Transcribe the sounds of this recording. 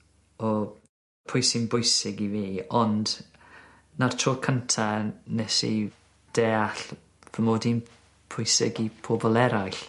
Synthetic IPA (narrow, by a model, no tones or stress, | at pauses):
ɔ | pʰʊjsɪnbʊjsɪɡiviːɔnd | nartʰrokʰəntʰanɛsḭ | d̥eːaɬ | v̥əmoːdin | pʰʊjsɪɡipʰoːbɔlˠɛɾajɬ